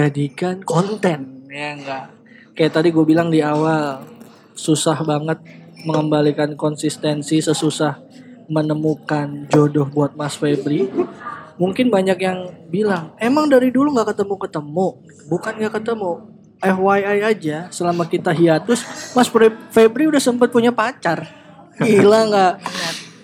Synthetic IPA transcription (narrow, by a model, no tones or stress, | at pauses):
d͡ʒadikankɔnt̪ɛnjaŋɡaʔ | kajaʔt̪adiɡuabilaŋdiawal | susahbaŋət̪̚ | məŋəmbalikankɔnsist̪ɛnsisəsusah | mənəmukand͡ʒodɔhbuat̪̚masfebɾi | muŋkɪnbaɲak̚jaŋbilaŋemaŋdaɾiduluŋɡaʔkət̪əmukət̪əmu | bukanŋɡaʔkət̪əmu | ʔɛfwajajad͡ʒasəlamakit̪aɦiat̪ʊsmasfɾifebɾiudahsəmpat̪̚puɲapat͡ʃar | ilaŋɡaʔŋa